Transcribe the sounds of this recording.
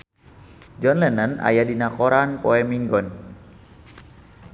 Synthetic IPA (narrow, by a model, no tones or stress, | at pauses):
d͡ʒɔnlɛnana̰jadinakɔɾanpɔɛmiŋɡɔn